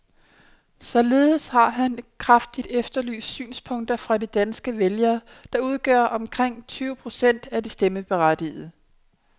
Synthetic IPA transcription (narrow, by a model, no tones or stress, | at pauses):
sɒ̽le̝ːð̩ˠshɑ̈ɦænkʰʁafd̥id̥efd̥ɐly̰ːsd̥sy̰ːnspʰɔ̽ŋ̰d̥ɐfʁɑ̈d̥id̥ænsɡ̥əʋeljɐː | d̥ɑ̈uð̞ˠɡ̥ɶɐʔɒ̽mkʰʁeŋ̰t͡sʰyːʊpʰʁo̝sen̰d̥æd̥isd̥eməb̥e̝ʁad̥ið̩ˠ